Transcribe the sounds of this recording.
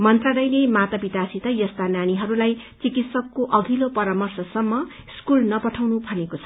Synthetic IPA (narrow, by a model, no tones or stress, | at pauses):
mʌnt̪raɽʌjlemat̪ʌbit̪asit̪ʌjʌst̪anaɽ̃iɦʌɾulaj | t͡sikit̪sʌkːoʔʌɡ̪ʱilopʌɾamʌrsʌsʌmːʌ | skulnʌpʌʈʰawnubʱʌnekot͡sʰʌ̥